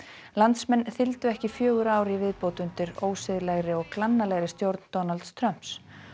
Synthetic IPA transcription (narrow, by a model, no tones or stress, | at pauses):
lant̪smɛnːθɪlt̪ʏɛhcɪfjœːɣʏɾaːwɾivɪðpowt̪ʏnt̪ɪɾoːwsɪðlɛɣɾɪɔɣklanːalɛɣɾɪst̪jowɾt̪nt̪ɔnalt̪st̪ʰɾœm̥ps